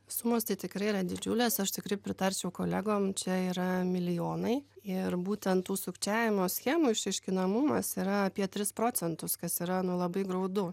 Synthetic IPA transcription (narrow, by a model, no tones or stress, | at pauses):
sʊmoːst̪ɐɪt̪ʲɪkɾɐɪiɾɐd̪ʲɪd͡ʒʲʊlʲeːsɐʃt̪ʲɪkɾrɐɪpʲɾʲɪt̪ɐɾʲt͡ʃʲɛʊkoːlʲæɡoːmt͡ʃʲɛiːɾɐmʲɪlʲɪjoːnɐɪɪrbuːt̪ʲɛnt̪uːsʊkt͡ʃʲæːʋʲɪmoːsʲxʲæmuːɪʃʲɛɪʃʲkʲɪnɐmʊmɐsiːɾɐɐpʲiɛt̪ʲɾʲɪspɾoːt͡s̪ʲɛnt̪ʊskɐsiːɾɐnʊlˠɐbɐɪɡɾɐʊd̪ʊ